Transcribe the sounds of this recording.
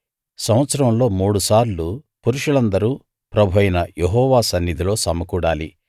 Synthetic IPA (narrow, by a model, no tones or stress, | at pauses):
sɐmʋɐt̪sɐɾɐmlo̞ːmuːɽusaːɾlupuɾuʂuɭɐnd̪ɐɾuː | pɾɐbʱuɐjnɐjeɦɔːʋaːsɐnːid̪ʱilo̞ːsɐmɐkuːɽaːli